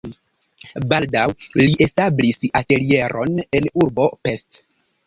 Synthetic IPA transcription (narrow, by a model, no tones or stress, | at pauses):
baldawliʔe̞stablisate̞lie̞ɾo̞̰ne̞nuɾbo̞pe̞st